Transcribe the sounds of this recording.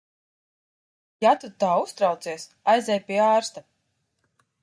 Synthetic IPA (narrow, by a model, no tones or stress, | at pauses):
jat̪ut̪aːust̪ɾawt̪siɛsajzʲɛjpʲiɛaːɾst̪a